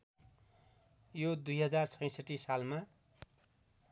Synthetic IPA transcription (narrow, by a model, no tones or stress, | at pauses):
jod̪ujɦʌd͡zart͡sʰʌj̃sʌʈisalma